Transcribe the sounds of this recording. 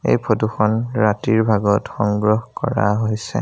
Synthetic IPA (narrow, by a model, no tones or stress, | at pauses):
ḛjpʰoduxɔnɹatiɹbʱaɡɔtxɔŋɡɹɔhkɔ̰ɹa̰ɦojsɛ